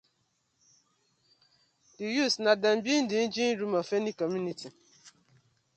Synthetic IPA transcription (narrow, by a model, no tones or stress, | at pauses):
d̥ijusnadam̩bin̩dɪn̩d͡ʒin̩ɾumafenikɔmjuniti